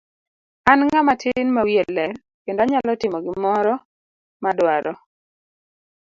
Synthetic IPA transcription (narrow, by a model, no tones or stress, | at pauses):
anŋamatʰɪnmawjelːɛɾ | kendoaɲalɔtɪmɔɡɪmɔɾɔ | madwaɾɔ